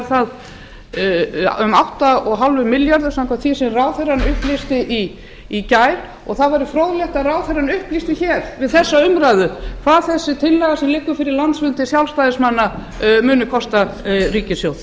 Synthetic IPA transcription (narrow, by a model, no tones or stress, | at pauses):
ɾθað | ʏmawht̪aɔɣɦalvʏmɪljaɾðʏ̥samkaθisɛmraːwθeɾanʏhplist̪ɪʔi | icaːjɾ | ɔɣθaðvaɾɪfɾowðlɛht̪aðraːwθejɾanʏhplist̪ɪçɛɾ̥vɪðθɛsːaʏmɾajðʏkʰvaðθɛsːɪt̪ʰɪlːɛɣasɛmlɪkːʏfɪɾɪɾlant̪svʏnt̪ɪsjawlst̪ajðɪsmanːa | mʏːnʏkʰɔst̪ariːcɪsjowð